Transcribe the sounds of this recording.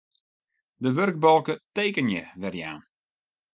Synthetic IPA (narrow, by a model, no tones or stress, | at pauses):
dəʋørɡ̚bɔlˠkəteːkənjəʋɛrja̰ːn